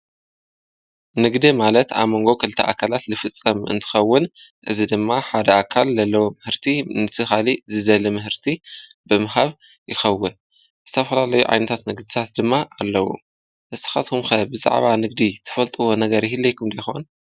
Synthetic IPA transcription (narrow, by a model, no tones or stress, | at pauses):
nɨɡd̪imalɐt̪a̰βmo̞ŋɡo̞kʰɨlɨt̪ʰɐʔakʰːalat̪zɨfɨt͡sʼːɐmɨ̰nt̪ʰɨ̥xɐwːɨnʔɨ̰zid̪ɨmːaħad̪ɐʔakʰalzɐlːɐwomɨhɨɾt̪ʰinɨt̪ʰɨxalizɨd̪ɐlimɨhɨɾt̪ʰibɨmɨɦaβ | jɪxɐwːɨn | zɨt̪ʰɐfɐlalɐjuʕa̰jnɐt̪ʰat̪nɨɡd̪it̪ʰat̪̚d̪ɨmːaʔalːɐwo̰ | ʔɨsɨ̥xat̪kʰumxɐbɨza̰ʕβanɨɡd̪it̪ʰɨ̥fɐlt̪ʼɨwo̞nɐɡɐɾɪhilːejkʰumd̪ɐjxon